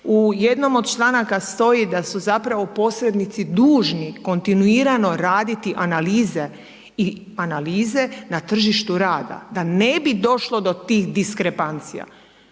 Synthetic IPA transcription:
uje̞d̪no̞mod̪̚t͡ʃlˠanakast̪o̞jid̪asuzapɾaʋopo̞sɾed̪nit̪sid̪uːʒniko̞nt̪inuiːɾano̞ɾaːd̪it̪iʔanaliːze̞ | i | analiːze̞nat̪r̩ʒiʃt̪uɾaːd̪a̰d̪ane̞bid̪o̞ʃlo̞d̪o̞t̪iːxd̪iskɾepant̪sija̰

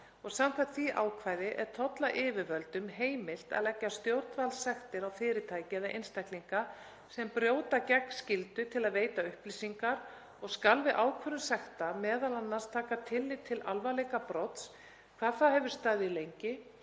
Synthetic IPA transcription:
ɔɣsamk̪ʰat̪θviʔa̰ːwkʰvaːjðɪʔɛɾ̥t̪ʰɔt̪laʔɪːvɪvœlt̪ʏmɦeːjmɪl̥t̪a̰ðlɛcːast̪jowɾt̪valsɛxt̪ɪɾawfɪːɾɪt̪ʰaːjcɪðaʔḛjnst̪ajkliŋka | sɛmpɾjoːwt̪acɛknscɪlt̪ʏt̪ʰɪlaðveːjt̪aʏhplisiŋkaɾ | ɔɣskalvɪðʔaːwkʰvœɾʏmsɛxt̪amɛːðalanːast̪ʰaːkat̪ʰɪlːɪt̪ʰɪlʔalvalɛjkapɾɔt̪s | kʰv̥aːðθahɛvʏɾ̥st̪aːðɪlejɲcɪ

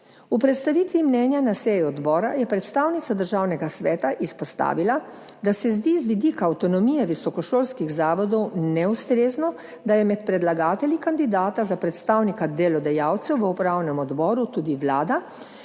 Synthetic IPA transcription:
upɾɛt̪st̪aʋiːt̪ʋimnɛːnjanasɛjɔd̪bɔːɾajɛpɾɛt̪st̪aːwnit̪sad̪əɾʒaːwnɛɡasʋɛːt̪aʔispɔst̪a̰ːʋilad̪asɛzd̪izʋid̪ikaːwt̪ɔnɔmijɛʋisɔkɔʃoːlskiɣzaːʋɔd̪ɔwnɛust̪ɾeːznɔ | d̪ajɛmɛt̪pɾɛd̪laɡaːt̪ɛlʲikand̪id̪aːt̪azapɾɛt̪st̪aːwnikad̪eːlɔd̪ɛjaːwt̪sɛwʋəupɾaːwnɛmɔd̪bɔːɾut̪uːd̪iʋlaːd̪a

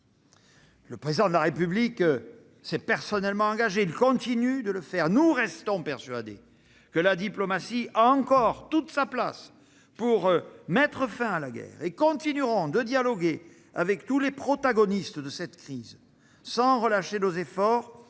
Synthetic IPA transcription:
ləpχezid̪ɑ̃d̪əlaʁepyblik | sɛpɛʁsɔnɛlmɑ̃ɑ̃ŋɡaʒeilkɔ̃t̪inyd̪ələfɛʁnuʁɛst̪ɔ̃pɛʁsyad̪ḛ | kəlad̪iplɔmasiaɑ̃kɔʁt̪ut̪sapla̰s | puʁmɛt̪χəfɛ̃alaɡɛ̰ʁekɔ̃t̪inyʁɔ̃d̪əd̪jalɔɡe | a̰vɛkt̪ulepχɔt̪aɡɔnist̪əd̪əsɛt̪kχiz | sɑ̃ʁəlaʃenozefɔʁ

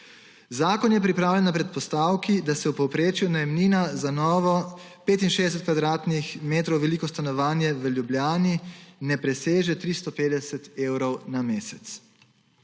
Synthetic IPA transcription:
zaːkɔnjɛpɾipɾaːwljɛnapɾɛt̪̚pɔst̪aːwkid̪asɛwpɔwpɾeːt͡ʃjunajɛmniːnazanɔːʋɔ | peːt̪̬inʃeːzd̪ɛs̬ɛt̪̚kʋad̪ɾaːt̪nixmeːt̪ɾɔwʋɛliːkɔst̪anɔʋaːnjɛʋəljubljaːninɛpɾɛseːʒɛt̪ɾist̪ɔpeːd̪ɛsɛt̪eːwɾɔwnameːsɛt̪s

